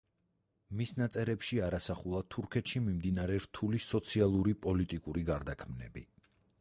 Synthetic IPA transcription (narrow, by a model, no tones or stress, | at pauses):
misnat̪sʼɛɾɛpʃiaɾasaχulˠat̪ʰuɾkʰɛt̪ʃimimd̪inaɾɛɾt̪ʰulisɔt̪sʰialˠuɾipʼɔlit̪ʼikʼuɾiɡaɾd̪akʰmnɛ̰bḭ